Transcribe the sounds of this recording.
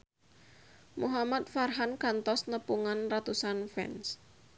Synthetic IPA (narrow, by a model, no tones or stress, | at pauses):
muɦamat̪̚farɦankant̪ɔsnəpuŋanrat̪usanfɛ̰ns